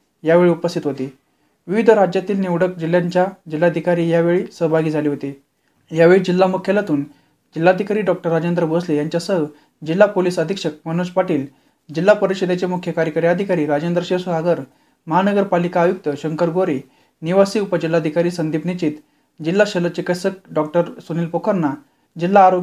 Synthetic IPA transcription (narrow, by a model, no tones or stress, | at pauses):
jaʋeɭiupəst̪ʰit̪ɦot̪i | ʋiʋid̪ʱəɾad͡ʑjat̪iːlnewɽək̚d͡ʑil̤ːjaɲt͡ɕjad͡ʑilːad̪ʱikaɾiːjaʋeɭiːsəɦbʱaɡiːd͡zʱaliːɦot̪i | jaʋeɭid͡ʑilːamukʰjalat̪uːn | d͡ʑilːad̪ʱikaɾiːɖɔk̚ʈəɾːad͡ʑend̪ɾəboslejaɲt͡ɕjasəɦ | d͡ʑilːapoliːsəd̪ʱikʂək̚mənɽ̃uːspaʈiːl | d͡ʑilːapəɾiɕed̪ʱet͡ɕemukʰjəkaɾjəkəɾjaːd̪ʱikaɾiːɾad͡ʑend̪ɾəɕesuaɡəɾ | məɦanəɡəɾpalikaːjuk̚t̪əɕəŋkəɾɡoɾi | niʋasiːupəd͡ʑilːad̪ʱikaɾiːsənd̪ʱipnit͡ɕiːt̪ | d͡ʑilːaɕələt͡ɕikəsək̚ɖɔk̚ʈəɾsuniːlpokʰəɾna | d͡ʑilːaːɾo